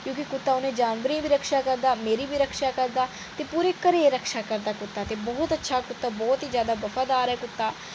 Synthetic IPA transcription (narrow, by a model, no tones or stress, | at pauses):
kjõːkɪkʊt̪ːaːʊnẽːd͡ʒaːnʋəɾĩːbiːɾəkʰʃaːkəɾd̪aːmeːɾiːbiːɾəkʰʃaːkəɾd̪aː | t̪eːpuːɾeːkəɾeːɾəkʰʃaːkəɾd̪aːkʊt̪ːaːt̪eːbɔːt̪ətːʃʰaːkʊt̪ːaːbɔːt̪iːzjaːd̪aːbəfʰaːd̪aːɾɛːkʊt̪ːaː